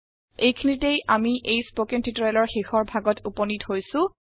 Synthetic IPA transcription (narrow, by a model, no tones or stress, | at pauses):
ejkʰinitejamiʔejspokɛntitɔalɔɹxexɔɹbʱaɡɔtʰupɔnithojsʊ̃